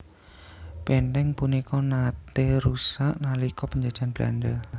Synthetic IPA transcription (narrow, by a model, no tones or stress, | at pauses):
pent̪ɛŋpunikɔnat̪eɾusaʔnalikɔpəɲd͡ʒad̥d͡ʒ̥anb̥la̰nɖə